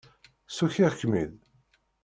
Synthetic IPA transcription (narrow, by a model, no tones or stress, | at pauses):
suçiʁçmið